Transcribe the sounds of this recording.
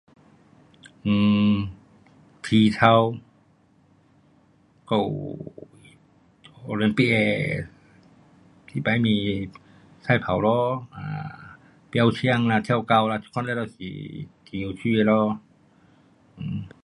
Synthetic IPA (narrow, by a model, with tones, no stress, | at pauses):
ʔɯː˧˩ | t̪ʰiː˧t̪ʰa˧w | kɔ˧˩w | ʔo˧le˧˨npi˧˩ʔɛː˧ | sʰi˧˦˩pa˧˦jmiː˧ | sa˧˩jpʰa˨˦wlɔː˧ʔa̰ː˧˩ | pi˧ʔa˧wt͡ɕʰi˧ə˧˨ŋnaː˧t̪ʰɛ˧˨wka˧wlaː˧i˧kʰɔ˧˥˨nla˧˩˨a˧˩si˨˦tʰi˧sʰiː˧wi˧˩t̪̚lɔː˧˥ | ʔɯː˧˩